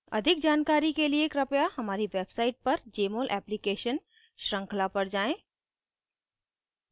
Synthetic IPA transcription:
ɐ̰d̪ʱɪk̚d͡ʒaːnkaːɾikelieːkɾɐpjahɐmaːɾiʋeːbsaːɪʈ̚pɐɾd͡ʒeːmoːlʔɛ̰ːplikeːʃən | ʃɾə̃ŋkʰlapɐɽd͡ʒaːẽː

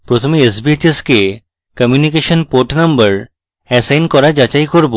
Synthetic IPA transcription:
pɾot̪ʰomeesbiet͡ɕeske | kəmjunikeʃonpoɾʈnambəɾ | ɛsajnkɔɾad͡ʑat͡ɕajkoɾbo

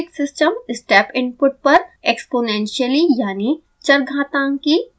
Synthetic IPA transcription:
ksɪsʈəmɪsʈeːpʰɪ̃npʊʈ̚pɐɾeːkspoːnɛ̃ːnʃəlijaːni | t͡ʃɐɾɡʱãːt̪ãːŋki

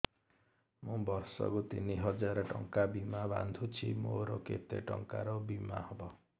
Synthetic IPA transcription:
mũbʌɾsɔ̰kut̪iniɦʌd͡zaɾɔʈɔŋkabimaba̰nd̪ʱut͡ʃʰimoɾoket̪eʈɔŋkaɾɔbima̰hɔbɔ

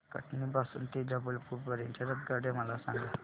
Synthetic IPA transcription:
kə̰ʈnibasṵːnt̪id͡ʑəbəlpuːɾpəɾent͡ɕəɾət̪̚ɡaɽeməlasã̰ŋɡla

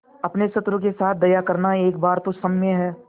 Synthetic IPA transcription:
ɐpnesɐt̪ɾək̬esaːt̪̚ʰd̪ɐjakɐɾnaeːk̚baːɾt̪osɐmmẽɦɛː

